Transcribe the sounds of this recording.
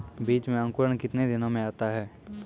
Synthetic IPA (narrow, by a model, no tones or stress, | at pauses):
biːt͡ʃmẽɐ̃ŋkʊɾəɽ̃kɪt̪ned̪ɪnõmẽaːt̪aɦɛː